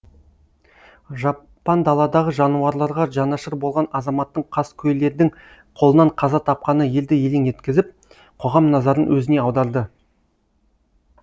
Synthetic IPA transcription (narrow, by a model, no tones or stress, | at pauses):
ʒɑ | pːɑnd̪ɑlˠɑd̪ɑʁəʒɑnuɑɾlˠɑɾʁɑʒɑnɑʃəɾbo̞lˠʁɑnɑzɑmɑt̪ːəɴqʰɑskʲʰɵjlːe̞ɾd̪ɪŋ | qʰolˠənɑɴqʰɑzɑt̪ʰɑp̚qɑnəje̞ld̪ɪje̞lʲenje̞t̪kʲɪzɪp̚ | qʰo̞ʁɑmnɑzɑɾənwɵzɪne̞ɑwd̪ɑɾd̪ə